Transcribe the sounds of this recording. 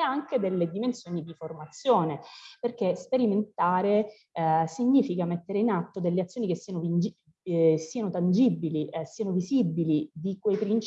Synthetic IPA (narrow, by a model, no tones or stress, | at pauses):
aŋked̪elːed̪imensjoːnid̪iformat̪sːjoːneperkespeɾiment̪aːɾe | siɲːiːfikamet̪ːeɾeinat̪ːod̪elːeat̪sːjoːnikesːianoid͡ʒi | siːanot̪and͡ʒibilisiːanovizibːilid̪ikwejpɾint͡ʃ